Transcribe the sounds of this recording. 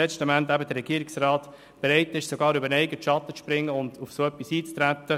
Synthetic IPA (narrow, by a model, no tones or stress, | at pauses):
ɛt͡stəmæntæbədəɾːɛɡ̥iːɾɪksraːt | b̥eɾɛɪtɪʃsoɡɑːɾybəɾnɛɪɡəʃɑtːət͡spɾɪŋːəʊnd̥̪ufsoːœpːisiːt͡st̪ɾæt̪ːə